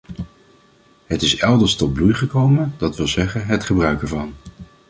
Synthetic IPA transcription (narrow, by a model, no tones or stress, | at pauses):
ɦətɪsɛlˠdəɹstɔd̚blujχəkowməndɑtʋɪlˠzɛχənɦətχəbrœɥkəɹvɑn